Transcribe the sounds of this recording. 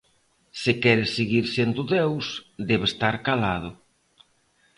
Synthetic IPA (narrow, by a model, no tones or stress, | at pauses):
sɪkɛɾɪseɣiɾsend̪ʊðewsd̪ɛβest̪aɾkalað̞ʊ